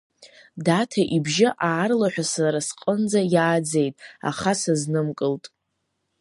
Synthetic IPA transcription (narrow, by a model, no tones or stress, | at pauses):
datʰaʔibʒɪʔaːrlaħʷᶣasaɾasqʼənd͡zajaːd͡zejtʼa̰χasaznɨmkʼɨltʼ